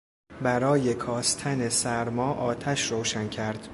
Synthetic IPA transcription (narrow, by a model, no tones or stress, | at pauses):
bæɾɒːje̞kʰɒːst̪ʰæne̞sæɾmɒːʔɒːt̪ʰæʃɾoːʃæncʰæɾd̪̥